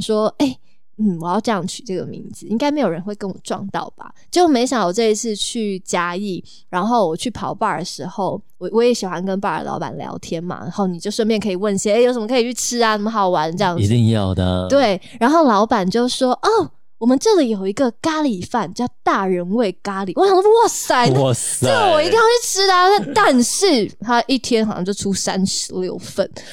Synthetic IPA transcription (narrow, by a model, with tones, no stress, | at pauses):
ʂwɔ˥e˥˩ɪ | n̩˥˩wɔ˨˩jɑ˥˧ʊʈ͡ʂɤ˥˧jɑ˥˩ŋt͡ɕʰy˨˩ʈ͡ʂɤ˥˩ɡə̰˩mḭ˧˥ŋd͡zɹ̩˨˩i˥ŋka˥ɪme˧˥ɪjo˨˩ɻə˧˦nwe˥˩ɪkə˥nwɔ̰˨˩ʈ͡ʂwɑ̰˥˧ŋt̪ɑ̰˥˩ʊba̰˨˩t͡ɕi˧˥o˥˩me˧˥ɪɕjɑ˨˦ŋwɔ˨˩ʈ͡ʂɤ˥˧i˧˥t͡sʰɹ̩˥˧t͡ɕʰy˥˧˩t͡ɕja˥i˥˩ | ɻa˧˥nxo˥˩ʊwɔ˨˩t͡ɕʰy˥˩pʰɑ˧˥ʊpa˥˩də˩ʂɻ̩˧˥xo˥˩ʊwɔ˨˩wɔ˦˥jɛ˨˥ɕi˨˩xwa˧˦nkə˦˥npa˥˩ə̰˨˧˩lɑ̰˧˥ʊpa̰˨˩nljɑ̰˧˥ʊt̪ʰjɛ˥nma̰˩na̰˧˥nxo˥˩ʊni˨˩t͡ɕjo˥˧ʊʂə˥˧npjɛ˥˩nŋkʰɤ˧˥i˨˩wə˥˩nɕjo˧˥ʂə˧˦mə˧kʰɤ˧˥i˨˩t͡ɕʰy˥˩ʈ͡ʂʰɻ̩˥a˨ni˨˩mə˦xɑ˨˩ʊwa˧˦nʈ͡ʂɤ˥˧jɑ˥˩ŋi˧t̪i˧ŋjɑ̰˥˩ʊd̪ə̰˩t̪we˥˩ɪɻa˧˥nxo˥˩ʊlɑ˧˥ʊpa˨˩nt͡ɕjo˥˩ʊʂwɔ˥ʔɔ˥˩ | wɔ˨˩mə˦nʈ͡ʂɤ˥˩li˨˩jo˨˩ʊi˧˥ɡə˧ka˥li˨˦˥fa˥˨nt͡ɕjɑ˥˧ʊt̪a˥˩ɻə˨˦˥nwe˥˩ɪka˥li˨˩wɔ˧˦ɑ˨˩ŋ˥˦˥wɔ˥˩sa˥ɪ˧ə˥˩ɡə˨˩wɔ˨˩i˧t̪i˥˧jɑ˥˧ʊt͡ɕʰy˥˩ʈ͡ʂʰɻ̩˥d̪ə˨na˥˧˩t̪a˥˧nʂɻ̩˥˩t̪ʰa˥˩i˥˩t̪ʰjɛ˥nxɕjɑ˥˧t͡ɕjo˥˧ʊʈ͡ʂʰu˥sa˦nʂɻ̩˧˦ljo˥˧ʊfə˥˩n